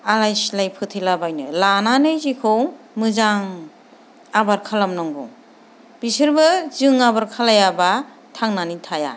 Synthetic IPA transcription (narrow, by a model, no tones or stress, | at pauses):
alajslajpʰɯtʰilabajnɯ̰lananɯjzikʰɯw | mɯzaŋ | abaɾkʰalamnɔŋɡɔŋ | b̥isɯɾbɯzɯŋabaɾkʰalajaba | tʰaŋnanitʰaja̰